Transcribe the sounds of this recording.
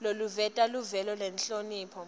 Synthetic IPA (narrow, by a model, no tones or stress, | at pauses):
loluvɛtʼaluvɛlɔlɛnɬoniːpʰɔ